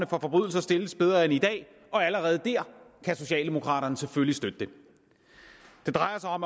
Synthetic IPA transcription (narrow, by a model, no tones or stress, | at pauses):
nəfɒ̽fɒ̽b̥ʁy̰ðˠl̩sɐsd̥e̝ləsb̥eð̞ˠɐenid̥ɛ̰ː | ɒ̽æləʁɛːð̞̩ˠd̥æɐ̰kʰæso̝ɕɛ̰ːld̥e̝mo̝kʰʁɑ̰̈ːɾ̥ɐnəseføllisd̥ød̥əd̥e̝ | d̥e̝d̥ʁɑ̈ɪɐsɑ̈ɪɒ̽m